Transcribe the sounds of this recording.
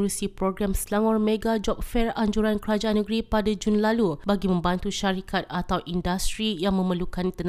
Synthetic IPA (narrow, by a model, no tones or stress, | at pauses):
ɾusipɾoɡɾamslaŋɔrmeɡad͡ʒɔp̚fɛraɲd͡ʒuɾankəɾad͡ʒaʔanəɡɾipadad͡ʒunlalubaɡimə̃mbant̪uʃaɾikat̪̚at̪awʔindast̪ɾijaŋmə̃məlukant̪ən